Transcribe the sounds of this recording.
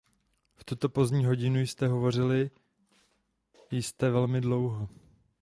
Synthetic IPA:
ft̪ut̪o̞po̞zdɲiːɦo̞ɟɪnujst̪ɛɦo̞vo̞r̝ɪlɪ | jɪst̪ɛvɛlmɪdlo̞wɦo

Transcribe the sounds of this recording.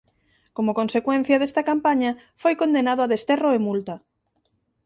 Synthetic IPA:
komokonsekwen̟θjɐðest̪akampaɲa | fojkond̪enað̞oaðest̪eroemult̪ɐ

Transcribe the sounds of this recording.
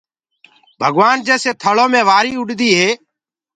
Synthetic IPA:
bʱəɠʋaːnd͡ʒeːseːt̪ʰəɭoːmẽːʋaːɾiːʊɗd̪iːɦeː

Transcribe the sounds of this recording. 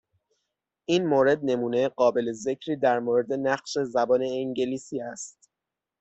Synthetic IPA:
ʔiːnmoːɾe̞d̪̚ne̞muːne̞ɢɒːbe̞leze̞cʰɾiːd̪æɾmoːɾe̞d̪e̞næɢʃe̞zæbɒːne̞ːŋɟe̞liːsiːæst̪

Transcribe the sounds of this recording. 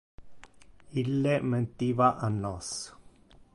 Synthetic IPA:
ilːeʔmə̃nt̪iβaʔanos

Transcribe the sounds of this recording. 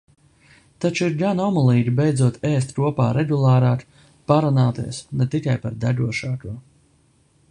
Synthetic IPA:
t̪at͡ʃuiɾɡanɔmulˠiːɡʲibejd̪zuɔt̪ʰɛːst̪kuɔpaːɾɛɡulˠaːɾaːk | paɾunaːt̪ḭɛsnɛt̪ikajpaɾd̪aɡuɔʃaːkuɔ

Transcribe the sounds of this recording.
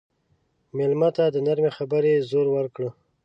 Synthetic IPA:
mɪlmat̪ad̪ənaɾmexabəɾezoɾwəɾkɽə

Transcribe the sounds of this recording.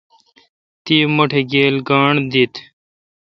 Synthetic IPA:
t̪iːmɐʈʰeɡeːlɡaːɳd̪it̪

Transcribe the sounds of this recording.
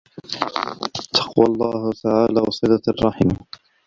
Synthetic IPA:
t̪ʰɑ̥qwalˤːɑːhʊt̪aʕaːlaːwɑsˤɨd̪ɑɑrˤːɑħim

